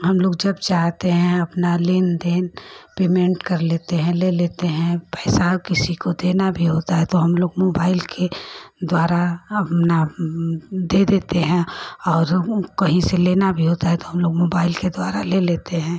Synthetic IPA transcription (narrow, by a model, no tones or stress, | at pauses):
ɦɐmloːɡd͡ʒɐbt͡ʃaːɦt̪eɦɛ̃ɐpnalɪnd̪eːnpeːmẽɳʈkɐɾleːt̪eɦɛ̃leːleːt̪eɦɛ̃pɛːsakɪsikod̪eːnabʱiɦoːt̪aɦɛt̪oɦɐmloːɡmoːbaːɪlkʰed̪waːɾaɐpna | d̪eːd̪eːt̪eɦɛ̃ɔːɾkɐɦĩseleːnabʱiɦoːt̪aɦɛt̪oɦɐmloːɡmoːbaːɪlked̪waːɾaleːleːt̪eɦɛ̃ː